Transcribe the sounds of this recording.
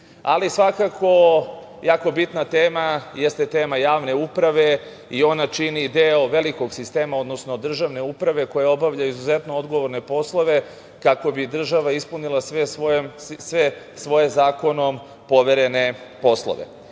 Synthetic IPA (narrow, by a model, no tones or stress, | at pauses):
alisʋakakʰo̞ | jaːko̞bit̪nat̪eːmajest̪e̞t̪e̞ːmajaːʋne̞upɾaʋe̞ | io̞nat͡ʃinid̪eo̞ʋe̞liko̞ɡsist̪eːmao̞d̪no̞sno̞d̪r̩ʒaʋne̞upɾaʋe̞ko̞jao̞baʋʎaizuzet̪no̞od̪ɡo̞ʋoɾne̞po̞slˠo̞ʋe̞ | kako̞bid̪r̩ʒaʋaispunilˠasʋesomsʋe | sʋo̞jezaːko̞no̞m | po̞ʋeɾe̞ne̞po̞slˠo̰ʋḛ